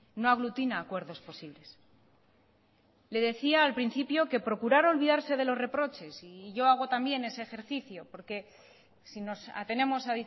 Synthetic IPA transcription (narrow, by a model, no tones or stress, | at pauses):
no̞aɣ̞lut̪inaːkwe̞ɾðo̞spo̞siβ̞le̞s | le̞ðe̞θiaːlpɾinθipjo̞ke̞pɾo̞kuɾaɾo̞lβiðaɾse̞ð̞e̞lo̞zre̞pɾo̞t͡ʃe̞siʝo̞aɣ̞o̞t̪ambje̞ne̞se̞ːxe̞ɾθiθjo̞po̞ɾke̞ | sino̞sa̰t̪e̞ne̞mo̞saði